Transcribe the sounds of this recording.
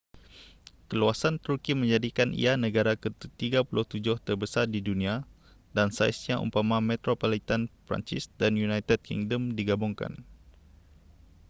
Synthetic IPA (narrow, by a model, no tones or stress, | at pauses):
kəluasant̪urkimə̃ɲd͡ʒadikanḭanə̃ɡaɾakət̪t̪iɡapulʔʊht̪ud͡ʒʊht̪ərbəsardidunĩa | dansa̰jsɲaʔṵpamamɛt̪ɾopolit̪anpɾa̰ɲt͡ʃɪsdanjunajt̪ɛd̚kḭŋdəmdiɡabuŋka̰n